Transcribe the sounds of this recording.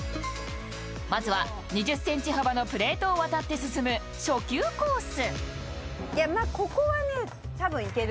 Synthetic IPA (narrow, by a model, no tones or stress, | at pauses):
mazɨβa | ɲ̟iʑɨsːẽ̞ɲ̟t͡ɕiɦabano̞pɯ̟ɾe̞ːt̪o̞ːβat̪at̪ːe̞sɨsɨmɯ̟ | ɕo̞kʲɨːko̞ːsɨ | jamako̞ko̞βane̞ | t̪abɯ̟̃ike̞ɾ